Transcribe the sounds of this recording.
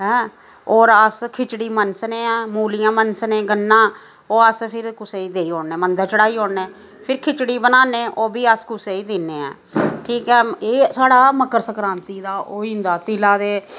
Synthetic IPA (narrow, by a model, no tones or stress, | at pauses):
ɦɛ̃ː | oːɾəskʰɪt͡ʃɽiːmənsneːaːmuːlijãːmənsnẽːɡənːãː | oːəspʰɪɾkʊseːiːd̪eːiːɦoːneːmənd̪əɾt͡ʃəɽaːiːɦoːɽneː | pʰɪɾkʰɪt͡ʃɽiːbənaːnẽːʔoːbiːəskʊseːiːd̪ɪneːa̰ː | ʈʰiːkɛːeːsaːɽaːməkəɾsəkɾãːnt̪iːd̪aːʔoːiːnd̪aːt̪ɪlaːd̪eː